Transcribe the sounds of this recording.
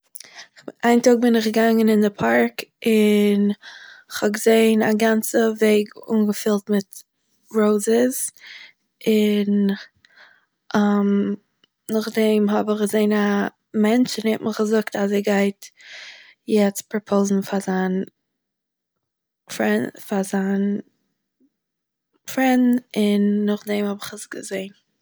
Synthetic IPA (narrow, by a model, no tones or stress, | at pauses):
ʔaɪntoːɡ̚bɪnɪχɡəɡaŋənɪndɪpʰaɾkɪnɪχhɔb̚ɡəzeɪnaɡant͡səveɪɡṵnɡəfɪlˠtmɪt | ɾoʊzəz | ɪn | ʔam | nʊχdɛmɦɔbɪχɡəzeɪna | mɛnt͡ʃɪnhɛtmʔəχɡəzʊktazeɡaɪt | jɛt͡s̚pɾɔpʰoʊzn̩fazan | fɛfazan | fɾɛndn̩ɪnːʊχdɛmhɔbɪχəsɡəzeɪn